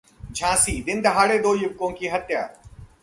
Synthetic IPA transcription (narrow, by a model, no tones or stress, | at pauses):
d͡ʒʱãːsiːd̪ɪnd̪ɐɦaːɽeːd̪oːjʊb̚kõːkiːɦɐt̪jaː